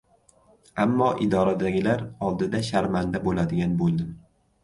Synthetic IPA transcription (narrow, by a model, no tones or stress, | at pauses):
amːɒʔɪd̪ɒɾad̪aɡʲɪlaɾɒlˠd̪ɪd̪aʃaɾmand̪abolad̪ɪɡʲanbolˠd̪ɪm